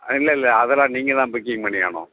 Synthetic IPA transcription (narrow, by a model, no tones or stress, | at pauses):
ɪlːɐɪlːɐɐðɐlãːniːŋɡɐt̪ãːbɪkːɪŋɡpɐɳːɪja̰ːɳʊ̰̃